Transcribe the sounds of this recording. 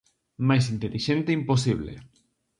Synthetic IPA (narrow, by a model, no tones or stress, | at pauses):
majs̬int̪eliʃent̪eimposiβ̞lḛ